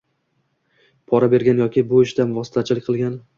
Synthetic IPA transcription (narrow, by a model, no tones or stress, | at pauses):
pʰɒɾabe̞ɾɡʲanjɒkʲʰɪbʊɪʃd̪anvɒsɪ̥t̪ʰat͡ʃʰɪlɪkʲqʰɨlˠɡʲan